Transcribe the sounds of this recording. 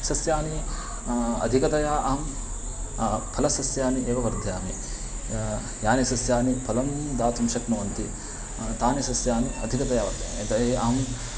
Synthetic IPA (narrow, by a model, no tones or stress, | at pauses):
sɐsjaːni | ɐ̰d̪ʱikɐt̪ɐjaːʔɐɦɐm | pʰɐlɐsɐsjaːnieːʋɐʋɐɾd̪ʱjaːmi | jaːnisɐsjaːnipʰɐlɐmd̪aːt̪umʃɐknuʋɐnt̪i | t̪aːnisɐsjaːniɐd̪ʱikɐt̪ɐjaːʋɐ | t̪ɐeʔɐɦɐm